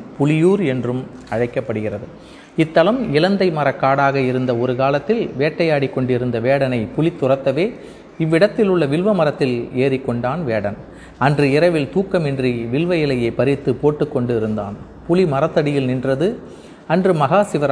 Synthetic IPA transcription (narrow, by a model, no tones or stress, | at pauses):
pʊlɪjuːɾɛndrɯmɐɻɐɪkːɐpːɐɽɯɣɪrɐðɯ | ɪt̪ːɐlɐmɪlɐnd̪ɐɪmɐɾɐkːaːɽaːɣɐɪɾɯnd̪ɐɔɾɯkaːlɐt̪ːɪlʋeːʈːɐjaːɽɪkːɔɳɖɪɾɯnd̪ɐʋeːɽɐnɐɪpʊlɪt̪ːʊrɐt̪ːɐʋeː | ɪʋːɪɽɐt̪ːɪlʊɭːɐʋɪlʋɐmɐɾɐt̪ːɪleːrɪkːɔɳɖaːnʋeːɽɐn | ɐndrɯɪɾɐʋɪlt̪uːkːɐmɪndriʋɪlʋɐjɪlɐjɐɪpɐɾɪt̪ːɯpoːʈːɯkːɔɳɖɯɪɾɯnd̪a̰ːn | pʊlimɐɾɐt̪ːɐɽɪjɪlnɪndrɐðɯ | ɐndrɯmɐɣaːsɪʋɐɾ